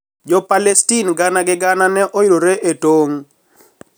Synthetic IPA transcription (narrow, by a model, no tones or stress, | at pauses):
d͡ʒɔpalɛstinɡanaɡɪɡananɛʔɔiɾoɾeʔetoŋ